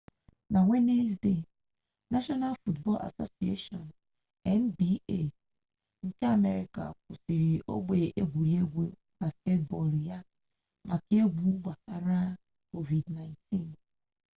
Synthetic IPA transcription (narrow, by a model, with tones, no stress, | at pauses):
na˨ŋʷe˦ne˦sde˨ | na˦ʃɔ˦na˦lfu˦tbɔ̰˦lʔa̰˨so̰˦si˨ḛ˦ʃɔ˨n | ɛ˦n˦bi˦e˦˨ | ŋ̩˦ke˦a˨me˦ɾi˨ka̰˨k̚ʊ˨si˨ɾi˨ʔo̰˦ɡ͡be˨ʔe˦ɡʷu˨ɾi˦e˦ɡʷe˨ | ba˨ske˦t̚bɔ˨lja˦ | ma˨ke˦ɡʷu˦ɡ͡ba˨sa˨ɾa˦ | ko˦vi˨dna˨ɪ̃nti˦n